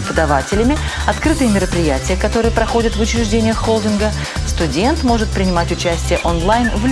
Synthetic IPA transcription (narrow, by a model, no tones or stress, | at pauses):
ɪpəd̪ɐvatʲɪlʲɪmʲɪ | ɐt̪kɾɨt̪ɨjəmʲɪɾəpɾʲɪjætʲɪjəkɐt̪o̞ɾɨjəpɾɐxo̞dʲɪt̪vʊt͡ɕɪɾʲɪʐdʲenʲɪjəxːolˠdʲɪnɡə | st̪ʊdʲe̞nt̪mo̞ʐɨt̪̚pɾʲɪnʲɪmatʲʊt͡ɕæsʲtʲɪjəʔonlˠajnvlʲ